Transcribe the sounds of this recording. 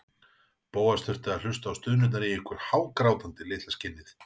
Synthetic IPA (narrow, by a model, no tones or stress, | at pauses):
poːwḁst̪ʏr̥t̪ɪaðl̥ʏst̪aːwst̪ʏːðnʏnt̪aɾiihkʏɾ̥haːwkɾaːwt̪ant̪ɪlɪːt̪lascɪnːɪθ